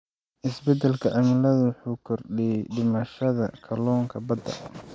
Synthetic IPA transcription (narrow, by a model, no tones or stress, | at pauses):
ʔɪsbɛd̪ɛlkʰɐʕɐmɪlɐðʊwħuːkʰɔrɗɛɖɪmɐʃɐðɐ̰kʰɐlɔːŋkʰɐbɐd̪ɐ̰